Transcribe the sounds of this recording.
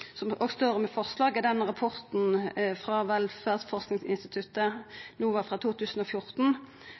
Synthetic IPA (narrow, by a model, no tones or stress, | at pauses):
sɔmoːɡst̪oːɾɔmɛfɔʁslɑːɡɛd̪ɛnʁɑpʰɔʁt̪n̩fʁɑʋɛlfæːʁd̪fɔʁsknɪŋsɪ̰nst̪ɪt̪ʰʉt̪ənuːʋɑfʁɑt̪ʰuːt̪ʰʉːsən̩oːfjʊʁt̪n̩